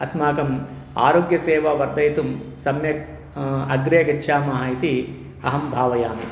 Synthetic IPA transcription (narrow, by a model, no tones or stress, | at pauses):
ɐsmaːkɐm | a̰ːɾoːɡjɐseːʋɐʋɐɾd̪ɐjt̪umsɐmjɐ | ɐɡɾeːɡɐt͡ʃːʃʰaːmɐɦaːit̪i | ɐɦɐmbʱaːʋɐjaːmi